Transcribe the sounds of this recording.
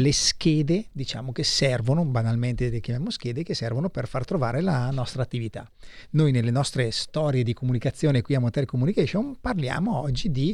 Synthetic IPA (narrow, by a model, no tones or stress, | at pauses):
leskeːd̪ed̪it͡ʃa̰ːmokesːɛrvonobanalment̪elekjamjaːmosk̟eːd̪ekesːɛrvonoperfart̪ɾovaːɾelanɔst̪ɾaːt̪ːivit̪a̰ | nojnelːenɔst̪ɾest̪ɔɾjed̪ikomunikat̪sːjoːnekwiamot̪ɛɾkomunikɛʃonparlja̰ːmoɔd͡ʒːid̪i